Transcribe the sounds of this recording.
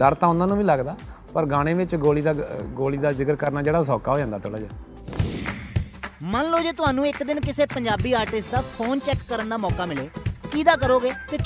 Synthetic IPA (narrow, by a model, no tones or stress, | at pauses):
d̪əɾt̪ãːʊ̃nd̪aːnũːʋiːləɡd̪aː | pəɾɡãːɽ̃ẽːʋɪt͡ʃɡoːliːd̪aɡoːliːd̪aːzɪkəɾkəɾnaːd͡ʒeːɽaːs̬ɔːkaːɦoːd͡ʒãːnd̪aːt̪ʰoːɽaːd͡ʒaː | mənloːd͡ʒeːt̪ʊɦaːnũːɪkd̪ɪnkɪseːpəɲd͡ʒaːbiːaːɾʈɪsʈd̪aːpʰoːnt͡ʃɛːkːəɾənd̪aːmɔːkaːmɪleːkiːd̪aːkəɾoːɡeːt̪eː